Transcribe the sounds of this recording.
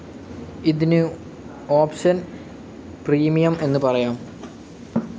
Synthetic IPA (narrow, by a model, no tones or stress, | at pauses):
iðinɨ | oːpɕɐn | priːmijɐme̞nːɨpɐrɐjaːm